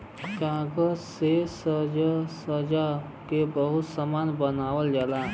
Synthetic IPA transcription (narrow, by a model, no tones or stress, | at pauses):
kãːɡəzsesəd͡ʒsəd͡ʒa | kebəɦʊt̪samaːnbənaːwəld͡ʒala